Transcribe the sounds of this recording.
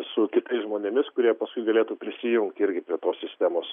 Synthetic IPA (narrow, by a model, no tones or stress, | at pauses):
sʊkʲɪt̪ɐɪsʒmoːnʲemʲɪskʊɾʲiɛpɐskʊɪɡɐlʲeːt̪uːpʲɾʲɪsʲɪjʊŋkt̪ɪɾʲɡʲɪpʲɾʲiɛt̪oːssʲɪsʲt̪ʲæːmoːs